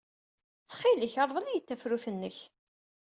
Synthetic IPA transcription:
t͡sːχiləçɑɾˤðˤəlæjət̪ːæfɾuθənːəç

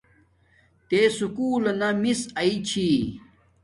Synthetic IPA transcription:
t̪esukuːlɐnɐmisɐit͡ɕʰi

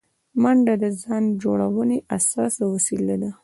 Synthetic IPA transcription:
maɳɖad̪əzɑnd͡ʒoɽawəneʔasɑsawasilad̪a

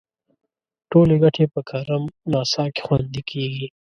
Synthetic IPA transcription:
ʈoleɡɐʈʰepəkʰɐɾəmnɑːsɑːke̥xwand̪ikʰeɡi

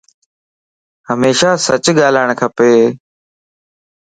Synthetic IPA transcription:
həmeːʃaːsət͡ʃɠaːlaːɳ̃kʰəpeː

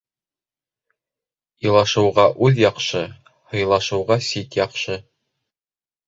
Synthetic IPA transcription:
ɤ̆lˠɑʃɤ̆wʁɑʔʉðjɑqʃɤ | hɤ̆jlˠɑʃɤ̆wʁɑsit̪jɑqʃɤ

